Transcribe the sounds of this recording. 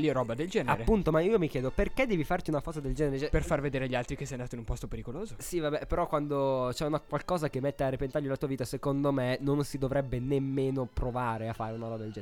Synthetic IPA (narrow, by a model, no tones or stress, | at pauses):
lioɾɔbad̪eld͡ʒɛːnaeɾepːunt̪omaiːomikjɛːd̪operked̪ːɛːvifart̪iunafɔzad̪eld͡ʒɛːneɾet͡ʃɛperfarved̪eːɾeʎːialt̪ɾikesɛjand̪at̪oinumpɔst̪opeɾikoloːzosivabɛpeɾɔkːwand̪ot͡ʃɛunakwalkɔːzak̟emːɛt̪ːearːepent̪aʎːolat̪uːaviːt̪asekond̪omenonsid̪ovɾɛbːenemːeːnopɾovaːɾeafːaːɾeunaɾɔbad̪eld͡ʒɛ